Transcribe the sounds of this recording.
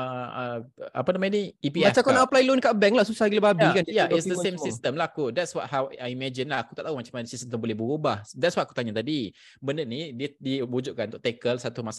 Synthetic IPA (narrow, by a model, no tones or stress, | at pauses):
əəʔa̰panamaniipimat͡ʃakanaəplajlonkaʔbɛŋlahsusalaɡiləbabakanjaʔitsdəssemsist̪əmlahkudɛtswɔt̚hawajimɛd͡ʒinlaaku̥t̪aʔt̪aumat͡ʃamanəsistt̪əmbolɛhbəɾubahdɛtswajaku̥t̪aɲat̪adi | bəndənidiədiud͡ʒuʔ̚kanũnt̪ʊ̥ʔt̪ɛkəlsat̪umasa